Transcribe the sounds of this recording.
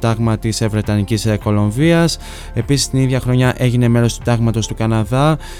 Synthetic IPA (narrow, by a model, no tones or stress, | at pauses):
t̪ɐɣmɐt̪isvɾe̞t̪ɐnicisko̞lo̞ɱviɐs | e̞pisi̥st̪iniðʝɐxɾo̞ɲɐʔe̞ʝine̞me̞lo̞st̪u̥t̪ɐɣmɐt̪o̞st̪ukɐnɐðɐ